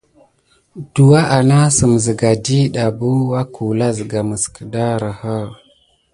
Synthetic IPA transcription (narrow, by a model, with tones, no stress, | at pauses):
d̥u˨wa˦ʔa˨na˦sə˨m˨zə˨ɡa˨di˦ɗa˨bu˦wa˦kʰu˨la˦zə˨ɡa˨mə˨skə˨da˦ɾə˨hə˦